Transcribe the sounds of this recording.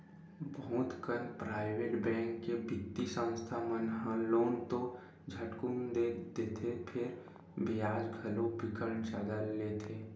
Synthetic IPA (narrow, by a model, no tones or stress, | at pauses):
bʱũːt̪kəɾpɾaːɪʋeːʈbɛ̃ːŋkːebɪt̪ːisə̃w̃st̪ʰamənɦãloːnt̪o | d͡ʒʱəʈkumd̪ed̪eːt̪ʰepʰɪɾ | bɪjaːd͡ʒɡʱəlobɪkəɾɳt͡ʃad̪əlːeːt̪ʰeː